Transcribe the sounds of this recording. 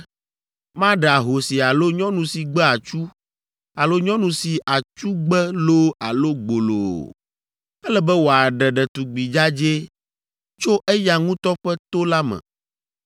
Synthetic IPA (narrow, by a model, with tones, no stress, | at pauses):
mã˦ɖɛ˨a˨ɦo˨si˨a˨lo˦ɲɔ̃˦nũ˨si˨ɡ͡bɛ˦a˨t͡ʃu˦ | a˨lo˦ɲɔ̃˦nũ˨si˨ʔa˨t͡ʃu˦ɡ͡bɛ˦lo˦a˨lo˦ɡ͡bo˨lo˨ | ɛ˦lɛ˨bɛ˦wo˨a˨ɖɛ˨ɖɛ˨t̪u˨ɡ͡bi˨d͡ʒa˦d͡ʒe˦ | t͡ʃo˦ʔɛ˦ja˨ŋũ˦t̪ɔ˦ɸɛ˦t̪o˦la˦mɛ̰̃˨